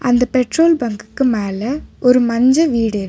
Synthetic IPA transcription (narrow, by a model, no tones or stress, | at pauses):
ɐnd̪ɐpɛʈɾoːlbɐŋɡɯ̥kːɯmeːlɐɔɾɯmɐɲd͡ʒɐʋiːɽɪɾ